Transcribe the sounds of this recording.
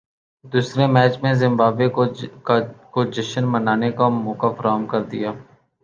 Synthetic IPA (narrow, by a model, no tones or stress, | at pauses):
d̪uːsɾemɛːt͡ʃmẽzɪ̃mbaːbekokakod͡ʒəʃənmənaːnekamoːkafʰəɾaːɦmkəɾd̪ɪ̰jaː